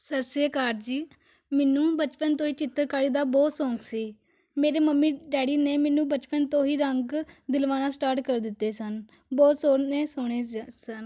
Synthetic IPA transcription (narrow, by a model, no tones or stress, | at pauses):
səɾseːkaːɾd͡ʒiː | mɛːnũːbət͡ʃpənt̪õːɦiːt͡ʃɪt̪ːəɾkaːɽiːd̪aːbɔːt̪sõːŋksiː | meːɾeːməmːiːɖɛːɽiːneːmɛːnũːbət͡ʃpənt̪õːɦiːɾəŋɡd̪ɪlʋaːnãːsʈaːɾʈkəɾd̪ɪt̪ːeːsən | bɔːt̪soːɾneːsʊɽ̃eːsən